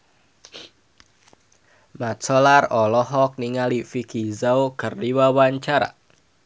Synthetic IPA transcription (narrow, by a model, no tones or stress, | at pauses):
mat̪sɔlarɔlɔɦɔk̚niŋalifikizawkɨrdiwawaɲt͡ʃaɾa̰